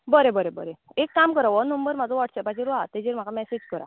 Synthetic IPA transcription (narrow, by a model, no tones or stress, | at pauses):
bəɾebəɾebəɾeekːamkəɾaʋɔnəmbəɾmad͡zɔʋaʈʰsɛpat͡ɕiɾat̪ed͡ʑiɾm̤akamɛsed͡ʑkəɾa̰